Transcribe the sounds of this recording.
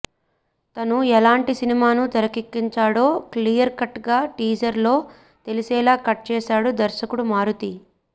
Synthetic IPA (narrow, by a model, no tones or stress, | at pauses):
t̪ɐnuɛlaːɳʈisinimaːnut̪ɐɾɐkikːiɲt͡ʃaːɽo̞ːklijɐɾkɐʈɡaːʈiːd͡ʒɐɾlo̞ː | t̪elisɛːlaːkɐʈ̚t͡ʃɛːsaːɽud̪ɐɾʃɐkuɽumaːɾut̪i